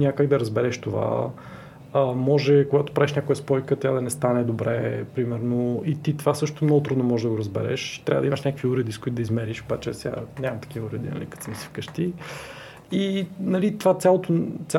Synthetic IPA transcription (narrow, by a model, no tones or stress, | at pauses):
nʲakaɡ̚d̪ɐɾɐzbɛɾɛʃt̪ova̰ | əmɔʒɛkoɡat̪o̥pɾaviʃnʲakʊjɐspɔjkət̪ʲjad̪ɐnɛst̪anɛd̪obɾɛ̰pɾimɛɾnoit̪it̪ovasɤʃt̪ot̪omnɔɡʊt̪ɾud̪nomɔʒɛd̪ɐɡʊɾɐzbɛ̰ɾɛ̰ʃt̪ɾʲa̰vəd̪imɐʃnʲakəkviuɾɛd̪iskoit̪ʊd̪izmɛɾiʃobat͡ʃɛsɛa̰nɲʲamɐt̪ɐ̥k̟ivəuɾɛd̪ḭnɐ̰lḭkɐt̪sɛmisfkəʃt̪i | inɐlit̪vat̪ʲjalˠot̪ot̪sʲa